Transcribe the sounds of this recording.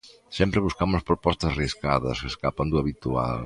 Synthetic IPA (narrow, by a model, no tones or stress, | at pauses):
sempɾeβuskamʊspɾopɔst̪ɐsriskaðɐ̰skeskapɐnd̪uɐβit̪ua̰l